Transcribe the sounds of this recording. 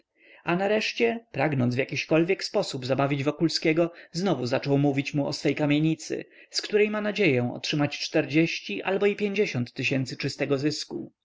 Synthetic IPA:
anaɾɛʂt͡ɕɛpɾaɡnɔnd̪vjakʲiɕkɔlvʲjɛkspɔsubzabavʲid͡ʑvɔkulskʲɛɡɔznɔvuzat͡ʂɔwmuvʲit͡ɕmuɔsfɛjkamʲjeɲit̪sɘ̰skt̪uɾɛjmanad͡ʑejɛ̃ɔ̰tʂɘmat͡ɕt͡ʂt̪ɛɾd͡ʑeɕt͡ɕiʔa̰lbɔipʲjeɲd͡ʑeɕɔnt̪ːɘɕɛnt̪sɘ̥t͡ʂɘst̪ɛɡɔzɘsku

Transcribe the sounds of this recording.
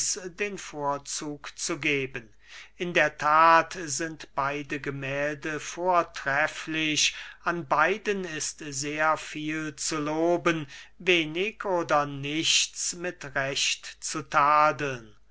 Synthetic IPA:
sdeːnfoːɐt͡suːkt͡suɡeːbən | ʔɪndeːɐtʰaːtzɪntb̥aɪdəɡəmɛːldəfoːɐtʁ̥ɛflɪɕanbaɪdənɪstzeːɐfiːlt͡suloːbənveːnɪkʰoːdɐnɪçt͡smɪtʁɛɕtt͡sutʰaːdəl̩n

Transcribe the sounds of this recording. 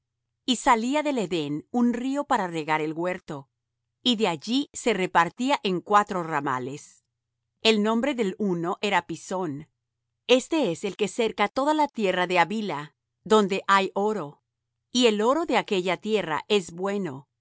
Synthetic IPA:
isaliaðe̞le̞ðe̞nunrio̞paɾare̞ɣaɾe̞lɣwe̞ɾt̪o̞ | iðe̞aʝise̞re̞paɾt̪iaʔe̞ŋkwat̪ɾo̞rama̰le̞s | e̞lnõ̞mbɾe̞ðe̞luno̞ʔe̞ɾapiso̞n | e̞st̪e̞ese̞lke̞se̞ɾkat̪o̞ðalat̪je̞raðe̞aβila | ðo̞nd̪e̞ʔajo̞ɾo̞ | ie̞lo̞ɾo̞ðe̞ake̞ʝat̪je̞ra̰ʔe̞zbwe̞no̞

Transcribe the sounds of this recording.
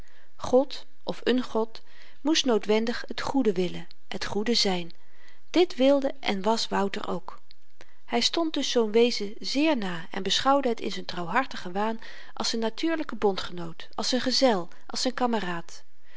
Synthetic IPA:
χɔt | ʔɔfənχɔt | mustnowtʋɛndəχɦətχudəʋɪlə | ətχudəzɛjn | d̥ɪtʋɪlˠdəʔɛ̰nʋɑsʋʌwtə̰rʔo̰wk | hɛjstɔnt̚dɵsːownʋejzə | zɪːɹnaːɛ̰nbəsχɑwdəɦətɪ̰nzəntrɑwɦɑɹtəχəʋaːn | ʔɑ̰lˠsənːatʰyːɹləkəbɔntχənowtɑlˠsɛnχəzɛlˠ | ʔɑlˠsɛjnkɑməraːt

